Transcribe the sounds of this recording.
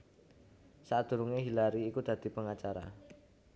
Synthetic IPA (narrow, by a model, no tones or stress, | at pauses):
sat̪̚d̪̥ṳɾuŋeɦilaɾiːkud̪̥a̤d̪̥i̤pəŋat͡ʃaɾa̰